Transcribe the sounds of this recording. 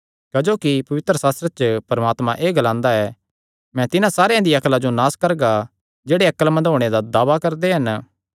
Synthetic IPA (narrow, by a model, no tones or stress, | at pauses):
kɐd͡ʒoːkipɐʋɪt̪ɾəsaːst̪ɾət͡ʃəpɐɾmaːt̪mãʔeːɡɐlãːnd̪aɛ | mɛ̃t̪ɪnãsaːɾejãd̪iɐklad͡ʒonaːskɐɾɡa | d͡ʒeːɽeɐkəlmɐ̃nd̪ɦoːɽ̃ed̪ad̪aːʋakɐɾd̪eɦɐn